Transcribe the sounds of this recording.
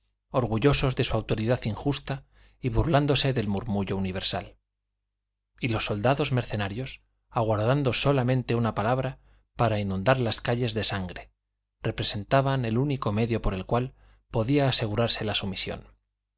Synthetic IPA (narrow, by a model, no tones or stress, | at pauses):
o̞ɾɣuʝo̞so̞zðe̞suawt̪o̞ɾiðaθiŋxust̪a | iβuɾland̪o̞se̞ðe̞lmuɾmuʝo̞uniβ̞e̞ɾsa̰l | ilo̞sːo̞ld̪aðo̞zme̞ɾθe̞naɾjo̞s | aɣwaɾðand̪o̞so̞lamẽ̞nt̪e̞unapalaβ̞ɾa | paɾainũnd̪aɾlaskaʎe̞zðe̞saŋɡɾe̞ | re̞pɾe̞se̞nt̪aβane̞luniko̞me̞ðjo̞po̞ɾe̞lkwal | po̞ðiaːse̞ɣ̞uɾaɾse̞lasumisjo̞̰n